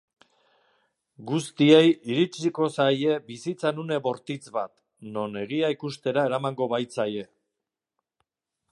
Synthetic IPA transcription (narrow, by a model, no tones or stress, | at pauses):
ɡust̪ie̞jiɾit͡ʃiko̞saje̞bisit͡sanune̞βo̞ɾt̪it͡sβat̪ | no̞ne̞ɣiaikust̪e̞ɾae̞ɾamaŋɡo̞βajt͡saje̞